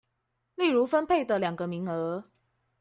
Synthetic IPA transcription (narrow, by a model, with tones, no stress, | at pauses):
li˥˩ɻu˧˥fə˥npʰe˥˩ɪd̪ə˨ljɑ˨˩ŋɡə˦mi˧˥ŋɤ˧˥